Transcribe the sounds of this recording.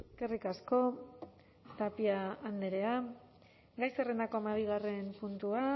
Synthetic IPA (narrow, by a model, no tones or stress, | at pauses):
eske̞rikasko̞ | t̪apiaːnd̪eɾe̞a | ɡajserend̪ako̞emaβ̞iɣ̞are̞mpunt̪ua